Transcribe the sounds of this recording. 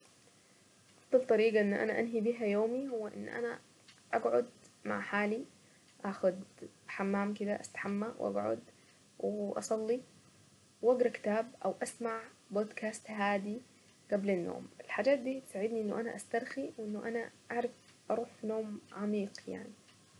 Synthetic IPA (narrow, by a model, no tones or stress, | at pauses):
ʔɑfd̪ˤɑlt̪ˤɑɾiːɡɑʔɪnːʔa̰naʔanɦibiːɦajoːmihʊwːaʔɪ̰nːʔa̰na | ʔaɡʕʊd̪ma̰ʕħaːli | ʔaxʊd̪ | ħamːaːmkɪd̪aʔa̰st̪ḁħamːawʔa̰ɡʕʊ̰d̪ | wʔɑ̰sˤɑlːi | wʔaɡɾˤɑkɪ̥t̪aːbʔawʔasmaʕboːd̪kʰaːst̪ɦaːd̪i | ɡ̥ablanːo̰ːmɪlħaːd͡ʒaːt̪̚d̪iːt̪saʕɪd̪niʔɪnːuʔana̰ʔast̪ɑɾˤxiwʔɪnːʊʔanaʔaʕɾˤɑfʔɑɾˤuːħnoːmʕamiːqja̰ʕni